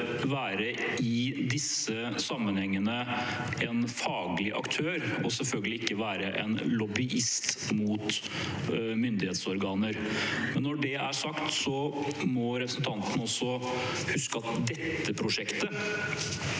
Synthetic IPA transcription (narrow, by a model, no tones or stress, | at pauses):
ʋæːɾəɪd̪ɪsə | sɑmːənhɛŋːənəɛnfɑːɡlɪʔɑ̰kt̪ʰøːɾɔsɛlfœlɡəlɪɪkːəʋæːɾəʔɛ̰nlɔbɪʔɪst̪muːt̪ | mʏnd̪ɪheːt̪sɔɾɡɑːnəɾmɛnːɔɖɛæʂɑkt̪sɔmɔɾɛpɾəsn̩t̪ʰɑnt̪ən̩ɔsːɔhʉskəɑt̪d̪ɛt̪ːəpʰɾʊʂɛkt̪ə